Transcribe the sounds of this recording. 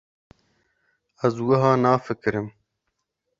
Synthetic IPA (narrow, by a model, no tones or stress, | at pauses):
ɐzwɐɦãːnaːfɪkɾem